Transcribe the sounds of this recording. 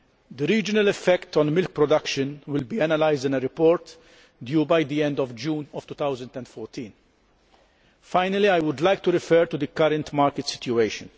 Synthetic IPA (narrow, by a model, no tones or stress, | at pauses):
d̪əɾiːd͡ʒɪnɐlɛfːɛkt̪ɔ̃nmɪlk̚pɾɔd̪ɐkʃə̃nwɪlbiːɛnɐlajzd̪ɪ̃nəɾɪpɔːɾt̪ | d̪juːbɐjd̪iɛ̃nd̪ɔvd͡ʒuːnɔv̥t̪uːt̪ɐwzə̃nd̪ɛ̃nd̪fɔːɾt̪ʰĩːn | faɪnɐliɐjwʊd̪lajk̚t̪uɾɪfɛːɾt̪ud̪əkɐɾɛ̃nt̪maːɾkɪt̪sɪ̥t̪juejʃə̃n